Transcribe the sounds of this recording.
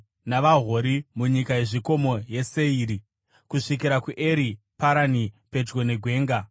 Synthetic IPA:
naʋaɦoɾimuɲikaje̞ʐiko̞mo̞je̞se̞iːɾi | kuʂik̬iɾakuʔeɾi | paɾanipe̞d͡ʒɡo̞ne̞ɡʱwe̞ːŋɡa

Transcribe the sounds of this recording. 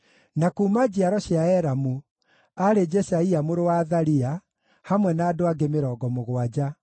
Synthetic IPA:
nakuːmad͡ʑiaɾɔɕiaɛɾamu | aɾed͡ʒɛsaiamoɾowaːðaɾia | hamwɛnaːdoaɡemeɾɔːɡɔmoɣwad͡ʑa

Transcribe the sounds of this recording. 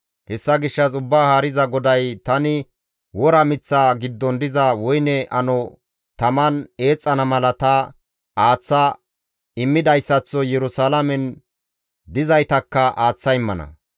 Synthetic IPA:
hɛsːɐɡɪʃːɐs̬ʊbːaːhaːɾɪzɐɡɔd̪ɐjt̪ɐnɪ | wɔɾɐmɪt͡sːaːɡɪd̪ːɔnd̪ɪzɐwɔjnɛʔɐnɔ | t̪ɐmɐne̞ːt͡sʼːɐnɐmɐlɐt̪ɐ | aːt͡sːɐ | ɪmːɪd̪ɐjsːɐt͡sːɔjɛɾʊsaːlɐmɛn | d̪ɪzɐjt̪ɐkːɐʔaːt͡sːɐɪmːɐnɐ̰

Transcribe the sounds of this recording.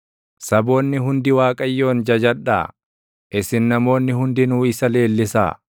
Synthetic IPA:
sɐbo̞ːnːɪɦʊnd̪ɪwaːkʼɐjːo̞ːnd͡ʒɐd͡ʒɐᶑa̰ː | ʔɪsɪnnɐmo̞ːnːɪɦʊnd̪ɪnuːɪsɐle̞ːlːɪsa̰ː

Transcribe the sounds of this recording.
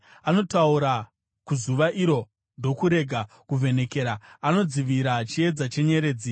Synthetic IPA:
ano̞tauɾa | kuzuʋaʔiɾo̞ | ndo̞kuɾe̞ɡʱa | kuvʱe̞ne̞ke̞ɾaːno̞d͡ziʋiɾat͡ʃie̞d͡zat͡ʃe̞ɲe̞ɾe̞ːd͡zi

